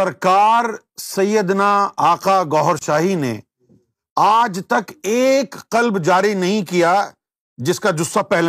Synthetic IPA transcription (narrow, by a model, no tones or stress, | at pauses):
ɐɾkaːɾ | sɐjːəd̪naaːqaɡɔːɦəɾʃaːɦinḛ | aːd͡ʒt̪ɐkeːkqɐlbd͡ʒaːɾinɐɦĩkija | d͡ʒɪskad͡ʒʊsapɛɦl